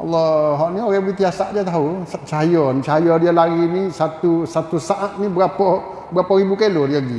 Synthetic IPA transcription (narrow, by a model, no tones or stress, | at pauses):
ʔalːɔɦɔʔnioɾɛbəit̪iasa̰ʔdiat̪aɦusat͡ʃaɦajɔnit͡ʃaɦajɔdialaɡinisat̪usat̪usaʔat̪̚nibəɾapɔ | bəɾapɔɾibukelodiaɡi